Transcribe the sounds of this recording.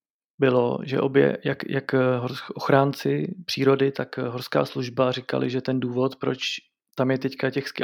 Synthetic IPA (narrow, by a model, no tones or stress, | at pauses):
bɪlo̞̰ʒɛ̰ʔo̞̰bjɛ̰jakjakɦoɾsʔoxɾaːnt͡sɪpr̥iːɾo̞dɪt̪akɦoɾska̰ːsluʒbarɪka̰lɪ̰ʒɛt̪ɛnduːvo̞t̪pɾo̞t͡ʃ | t̪amjɛt̪ɛckacɛxsk